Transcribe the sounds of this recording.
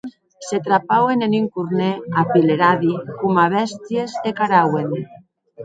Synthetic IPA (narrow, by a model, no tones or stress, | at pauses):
set̪ɾapaweneniŋkuɾneapileɾaðikumaβɛst̪jezekaɾawen